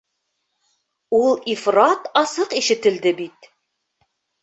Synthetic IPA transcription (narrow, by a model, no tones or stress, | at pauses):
ulˠifrɑt̪ɑsɤqiʃɘ̆t̪ɘ̆ld̪ɘbit̪̚